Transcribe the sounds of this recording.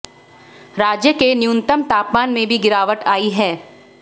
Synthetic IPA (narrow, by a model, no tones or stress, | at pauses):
ɾaːd͡ʒjəkenɪjũnt̪əmt̪aːpmaːnmẽbʱiɡɪɾaːʋəʈaːiɦɛː